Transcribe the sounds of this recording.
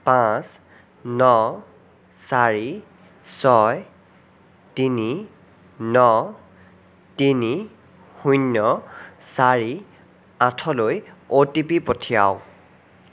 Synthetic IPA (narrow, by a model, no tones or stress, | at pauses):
pãs | nɔ | saɹi | sɔj | tini | nɔ | tini | hunːɔsaɹi | ãtʰɔlojotipipotʰija̰w